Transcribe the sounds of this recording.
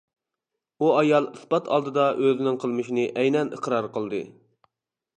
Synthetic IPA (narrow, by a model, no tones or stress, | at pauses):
buɑjɑlˠɨsbɑt̪ʰɑ̰lˠd̪ɨd̪ɑʔøzɪnɪŋqʰəlˠmɨʃinɨʔɛjnɛnə̰qɾɑɾqəlˠd̪ɨ̰